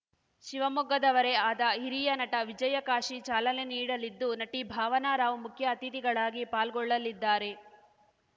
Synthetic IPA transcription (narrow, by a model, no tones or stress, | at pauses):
ʃiʋɐmɔɡɐd̪ɐʋɐɾe̞aːd̪ɐɦiɾijɐnɐʈɐʋid͡ʒɐjɐkaːʂit͡ʃaːlɐne̞niːɽɐlid̪ːunɐʈibʱaːʋɐnaːɾaːʋumukʰjɐːt̪it̪iɡɐɭaːɡipaːlɡɔɭːɐlːid̪ːaːɾe̞